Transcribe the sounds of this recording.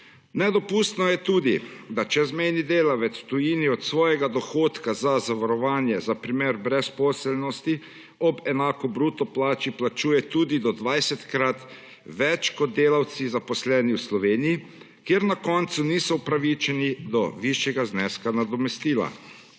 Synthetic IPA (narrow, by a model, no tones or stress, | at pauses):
nɛd̪ɔpuːst̪nɔjɛt̪uːd̪id̪at͡ʃɛzmɛjnid̪eːlaʋɛt̪swt̪ujiːniɔt̪sʋɔːjɛɡad̪ɔxoːt̪kazazaʋaɾɔʋaːnjɛzapɾimeːɾbɾɛspɔːsɛlnɔst̪i | ɔbɛnaːkɔbɾuːt̪ɔplaːt͡ʃiplat͡ʃuːjɛt̪uːd̪id̪ɔd̪ʋajsɛt̪kɾat̪ | ʋɛt͡ʃkɔd̪̚d̪eːlawt̪sizapɔslɛːniwslɔʋeːniji | kjeɾnakɔnt̪suniːsɔupɾaʋit͡ʃɛnid̪ɔʋiʃjɛɡaznɛːskanad̪ɔmɛst̪iːla̰